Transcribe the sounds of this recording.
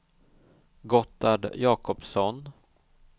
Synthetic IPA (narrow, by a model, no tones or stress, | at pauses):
ɡɔt̪ːaɖjɑːkɔpsɔn